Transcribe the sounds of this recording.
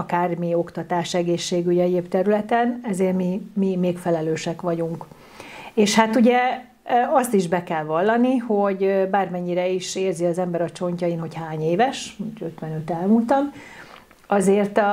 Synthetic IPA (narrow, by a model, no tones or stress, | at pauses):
ɒkaːrmio̞kt̪ɒt̪aːʃɛɡeːʃːeːɡyɟɛɟeːpt̪ɛɾylɛt̪ɛnɛzeːrmimimeːkfɛlɛløːʃɛkʋɒɟuŋk | eːʃhat̪uɟɛ | ɒst̪iʒbɛkɛlvɒlːɒniho̞ɟbaːrmɛɲːiɾɛiʃeːrziɒzɛmbɛɾɒt͡ʃo̞ɲcɒinho̞chaːɲeːvɛʃmuø̞t̪ʋɛnø̞t̪ɛlmult̪ɒm | ɒzeːrt̪